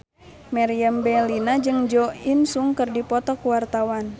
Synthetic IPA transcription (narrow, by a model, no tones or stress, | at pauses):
maɾiambɛlinad͡ʒɨŋd͡ʒɔinsuŋkərdipɔt̪ɔkuwart̪awan